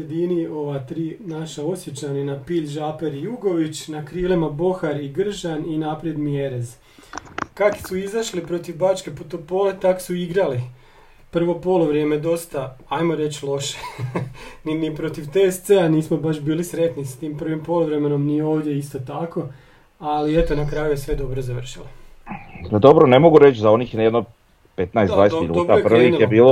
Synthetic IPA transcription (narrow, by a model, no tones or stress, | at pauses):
jed̪inio̞ʋat̪ɾiːnaʃao̞sje̞t͡ɕaninapiːʎʒaːpeɾijuɡo̞ʋit͡ɕnakɾiːlˠimabo̞xaɾiɡr̩ʒaninapɾjed̪mieɾez | kaksuizaʃlipɾo̞t̪iʋbat͡ʃkeput̪opo̞ːlet̪aksuiɡɾali | pr̩ʋo̞poluʋɾjemed̪o̞st̪aajmoɾet͡ʃlˠo̞ʃe | ninipɾo̞t̪iʋt̪est̪seaniːsmo̞baʃbiːlisɾe̞t̪nisat̪iːmpr̩ʋimpo̞lˠuʋɾemeno̞mnijeoːʋd̪je̞ist̪ot̪ako̞ | aliet̪onakɾaːjujesʋe̞d̪o̞bɾozaʋr̩ʃilo | pad̪o̞bɾonemoɡuɾet͡ʃzao̞nixnjed̪no | pet̪naesd̪d̪vaːjest̪iʎudob̪aprʋijebiːlo